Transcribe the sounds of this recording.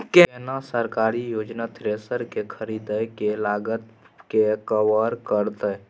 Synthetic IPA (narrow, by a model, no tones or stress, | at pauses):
kenasəɾkaːɾijoːd͡ʒnat̪ɾeːsəɾkekʰəɾiːd̪əkelaːɡət̪ | kekəwəɾkəɾt̪ə